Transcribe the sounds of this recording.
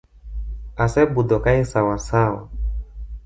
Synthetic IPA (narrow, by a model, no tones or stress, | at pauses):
asɛbud̪ɔkaisawasawa̰